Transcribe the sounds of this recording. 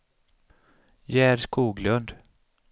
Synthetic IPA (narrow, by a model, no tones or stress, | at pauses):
jæːɾskuːɡlɵnd̪